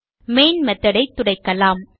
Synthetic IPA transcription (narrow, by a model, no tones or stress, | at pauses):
meːnmɐt̪ːɐɽɐɪt̪ːʊɽɐɪkːɐlaːm